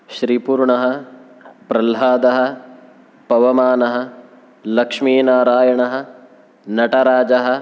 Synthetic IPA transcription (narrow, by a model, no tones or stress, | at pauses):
ʃɾiːpuːɾɳɐɦɐ̆ | pɾɐlɦaːd̪ɐɦɐ̆ | pɐʋɐmaːnɐɦɐ̆ | lɐkʂmiːnaːɾaːjɐɳɐɦɐ̆ | nɐʈɐɾaːd͡ʒɐɦɐ̆